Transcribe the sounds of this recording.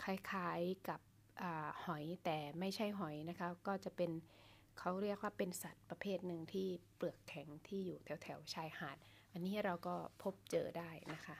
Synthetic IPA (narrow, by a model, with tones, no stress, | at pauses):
kʰa˧˩jkʰaː˩˦jka˨˩p̚ | ʔaː˨˩hɔ˩˦jt̪ɛː˨˩ma˥˩jt͡ɕʰa˥˩jɦɔ˨˩˦jna˦˥kʰa˦˥kɔː˥˩t͡ɕa˨˩ʔpe˧n | kʰa˦˥wɾi˥˩ək̚waː˥˩pe˧nsa˨˩t̪̚pɾa˧pʰeː˥˩t̪̚nɯ˧ŋt̪ʰiː˥˩plɯ˨˩əkʰːɛ˩˦ŋt̪ʰiː˥˩juː˨˩t̪ʰɛ˩˦wt̪ʰɛ˩˦wt͡ɕʰaː˧jhaː˨˩˦t̪̚ | ʔa˧nːiː˦˥ɾa˧wkɔː˥˩pʰo˦˥p̚t͡ɕɤː˧daː˥˩jna˦˥kʰa˦˥ʔ